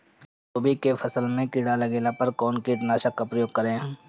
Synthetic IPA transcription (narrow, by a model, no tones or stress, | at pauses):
t̪oːbikefʰɐsəlmẽkɪɽalɐɡeːlapəɾkɔːnkiʈnaːʃakːapɾəjoːɡ̚kɐɾẽː